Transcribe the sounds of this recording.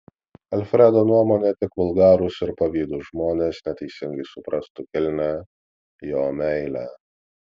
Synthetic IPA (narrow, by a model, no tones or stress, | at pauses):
ɐlʲfʲɾʲɛd̪oːnuɔmoːnʲet̪ʲɪkʋʊlˠɡɑːɾʊsɪɾpɐʋʲiːd̪uːʒmoːnʲeːsnʲɛt̪ʲɛɪsʲɪŋɡɐɪsʊpɾʔɐst̪ʊkʲɪlʲnʲæ | joːmʲɛɪlʲæ